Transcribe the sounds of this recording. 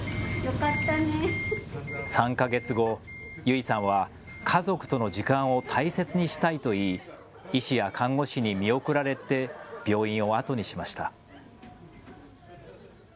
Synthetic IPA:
jokat̪ːane | sãŋkaɡe̞t͡sɨɡo̞jɯ̟isãɰ̃βa | kʰazo̞kɯ̟̥t̪o̞no̞d͡ʑikãɰ̃o̞t̪ʰaise̞t͡sɨɲ̟iɕi̥t̪ait̪o̞iː | iɕijakʰãŋɡo̞ɕiɲ̟imʲio̞kɯ̟ɾaɾe̞t̪e̞b̥ʲjo̞ːĩɰ̃o̞at̪o̞ɲ̟iɕimaɕi̥t̪a

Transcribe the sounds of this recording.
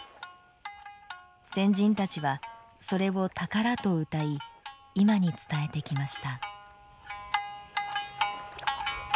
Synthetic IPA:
sẽ̞ɲ̟d͡ʑĩnt̪at͡ɕiβaso̞ɾe̞βo̞t̪akaɾat̪o̞ɯ̟t̪ai | imaɲ̟it͡sɨ̥t̪ae̞t̪e̞kʲimaɕi̥t̪a

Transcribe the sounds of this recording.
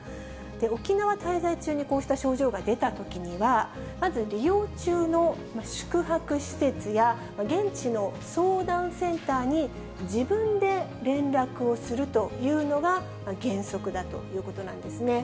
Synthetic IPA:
d̪̥e̞o̞kʲinaβat̪aizait͡ɕɨːɲ̟iko̞ːɕi̥t̪aɕo̞ːʑo̞ːɡad̪e̞t̪at̪o̞kʲiɲ̟iβa | mazɨɾʲijo̞ːt͡ɕɨːno̞ | maɕɨ̥kɯ̟ɦakɯ̟ɕi̥se̞t͡sɨja | maɡẽ̞ɲt͡ɕino̞ | so̞ːd̪ãɰ̃sẽ̞nt̪aːɲ̟i | d͡ʑibɯ̟̃nd̪e̞ɾẽ̞nɾakɯ̟o̞sɨɾɯ̟t̪o̞jɯ̟ːno̞ɡa | maɡẽ̞ɰ̃so̞kɯ̟d̪at̪o̞̰jɯ̟ːko̞t̪o̞nã̰nd̪e̞sɨne̞

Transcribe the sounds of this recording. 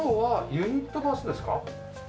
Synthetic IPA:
oβajɯɲ̟it̪ːo̞d̪asɨd̪e̞sɨ̥ka̰

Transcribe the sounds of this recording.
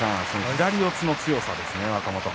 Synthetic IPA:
ãsoiɾaɾʲiot͡sɨno̞t͡sɨjo̞sad̪esɨne̞βakamo̞t̪o

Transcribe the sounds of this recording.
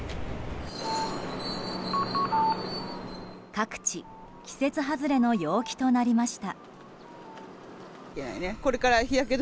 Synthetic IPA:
kakɯ̟̥t͡ɕi | kʲi̥se̞t͡sɨɦazɨɾe̞no̞jo̞ːkʲi̥t̪o̞naɾʲimaɕi̥t̪a | kena̰ineko̞ɾe̞kaɾaçijak̬e̞d̪

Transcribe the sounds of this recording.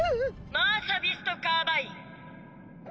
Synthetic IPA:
maːsɐbist̪okaːbai

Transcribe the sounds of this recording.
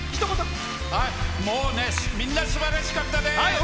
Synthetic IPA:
kʲi̥t̪omosa | haimoːnesmʲĩnːaɕibaɾaɕi̥kat̪ːad̪e

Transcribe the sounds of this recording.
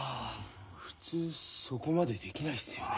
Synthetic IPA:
ɸɯ̟̥t͡sɨːso̞ko̞mad̪e̞d̪e̞kʲinaiɨjo

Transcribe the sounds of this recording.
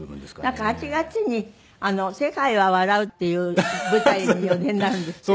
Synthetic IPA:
nãŋkahat͡ɕiɡat͡siɲ̟i | ano̞se̞kaiβaβaɾaɯ̟t̪ːe̞jɯ̟ːbɯ̟t̪aiɲijod̪ẽ̞nːaɾɯ̟̃nd̪es

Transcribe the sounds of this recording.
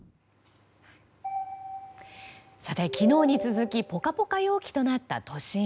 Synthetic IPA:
sat̪e̞kʲino̞ːɲ̟it͡sɨzɨkʲipo̞kapo̞kajo̞ːkʲi̥t̪o̞nat̪ːa̰t̪o̞ɕĩ

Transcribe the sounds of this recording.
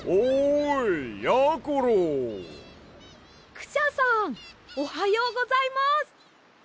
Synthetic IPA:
ojjakoɾo | kɯ̟̥ɕasãŋohajoːɡozaimasɨ̥

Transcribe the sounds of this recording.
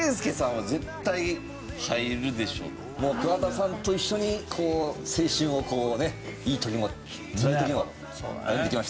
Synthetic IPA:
ẽsɨ̥kesãɰ̃βaze̞t̪ːai | haiɾɯ̟d̪e̞ɕo̞̰ː | moːkoat̪asãnt̪o̞iɕːo̞ɲ̟ikʰo̞ːse̞ːɕĩɰ̃o̞ko̞ːne̞iːt̪o̞kʲimo̞ | t͡sɨɾait̪ok̬ʲimo | oa̰jõnd̪ekʲimaɕ

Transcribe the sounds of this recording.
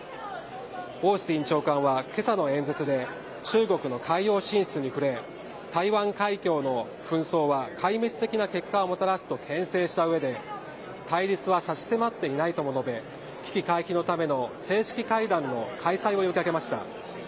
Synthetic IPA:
o̞ːɕĩɲ̟t͡ɕo̞ːkãɰ̃βake̞sano̞ẽ̞nd͡zet͡sɨd̪e̞ | t͡ɕɨːɡo̞kɯ̟no̞kʰaijo̞ːɕĩɰ̃ɕt͡sɨɲ̟iɸɯ̟ɾe̞ | t̪aiβãŋkaikʲo̞ːno̞ | ɸɯ̟̃ɰ̃so̞ːβakʰaimet͡sɨ̥t̪e̞kʲinake̞kːaomo̞t̪aɾasɨ̥t̪o̞kʰẽ̞ɰ̃se̞ːɕi̥t̪aɯ̟βe̞d̪e̞ | t̪aiɾʲit͡sɨβasaɕi̥se̞mat̪ːe̞inait̪omo̞no̞be̞ | kʲi̥kʲikaiçino̞t̪ame̞no̞se̞ːɕi̥kʲikaid̪ãnːo̞kʰaisaio̞jokʲiaɡe̞maɕi̥t̪a̰

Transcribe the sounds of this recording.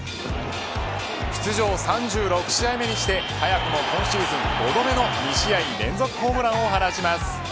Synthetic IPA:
ɕi̥t͡sɨʑo̞ːsãɲd͡ʑɨːɾo̞kɯ̟̥ɕiaime̞ɲ̟iɕi̥t̪e̞hajakɯ̟mo̞kõ̞ɰ̃ɕiːzɨ̃ŋɡo̞d̪o̞me̞no̞ɲʲiɕiaiɲiɾẽ̞nd͡zo̞kɯ̟̥ɦo̞ːmɯ̟ɾãɰ̃o̞ɦanaɕimasɨ̥

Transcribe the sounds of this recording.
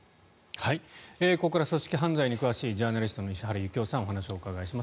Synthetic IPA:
haieːkokaɾaso̞ɕi̥kʲiɦãnd͡zaiɲ̟ikɯβaɕiːd͡ʑaːnaɾʲisɨ̥t̪o̞no̞iɕiɦaɾɯ̟jɯ̟kʲo̞ːsãɰ̃o̞hanaɕio̞ːkaɡaiɕimas

